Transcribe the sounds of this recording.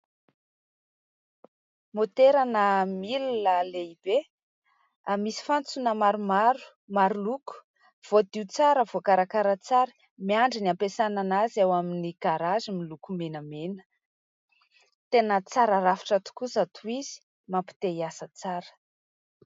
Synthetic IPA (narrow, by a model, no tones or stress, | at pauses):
mot̪eɾanəmilunəleib̥e | amisi̥fant͡sunəmaɾumaɾu̥ | maɾuluku̥ | v̥od̪iut͡saɾəvokaɾakaɾət͡saɾə̥ | miaɳɖ͡ʐiniampesananazawaminiɡ̥aɾazimilukumenəmenə̥ | t̪enət͡saɾaɾafi̥ʈ͡ʂat̪u̥kusat̪ʰuizi̥ | mampi̥t̪eiasət͡saɾə̥